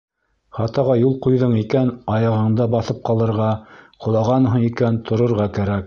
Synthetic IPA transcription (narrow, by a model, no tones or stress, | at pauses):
χɑt̪ɑʁɑjulˠqujðɤɴikænɑjɑʁɤ̆ɴd̪ɑbɑθɤp̚qɑlˠɤ̆ɾʁɑqʰŏlˠɑʁɑnɦɤɴikænt̪ʰŏɾŏɾʁɑkæɾæk̚